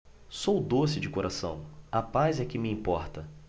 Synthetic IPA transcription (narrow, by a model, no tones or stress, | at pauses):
sowd̪osɪd͡ʒɪkoɾasɐ̃w̃apazɛkɪmɪĩpɔɾt̪ɐ